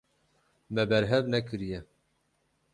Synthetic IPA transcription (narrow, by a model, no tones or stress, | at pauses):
mɛbɛɾɦɛvnɛkʰɨɾijɛ